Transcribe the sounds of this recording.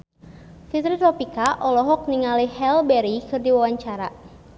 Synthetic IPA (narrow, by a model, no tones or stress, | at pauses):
fit̪ɾit̪ɾɔpikaʔɔlɔɦɔk̚niŋalihɛlbɛɾikɨrdiwawaɲt͡ʃaɾa